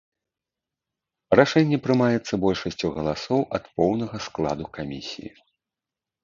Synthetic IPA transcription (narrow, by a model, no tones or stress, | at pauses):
raʂɛnʲːɛpɾɨmajɛt̪sːɐbɔlʲʂɐsʲt͡sʲuɣɐlˠasɔwʔɐt̪pɔwnɐɣɐsklˠa̰d̪ukamʲḭsʲḭjḭ